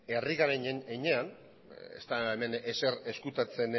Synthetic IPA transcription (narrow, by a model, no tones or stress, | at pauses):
e̞riɣaɾeɲeɲean | ḛst̪aeme̞nesere̞skut̪at͡se̞n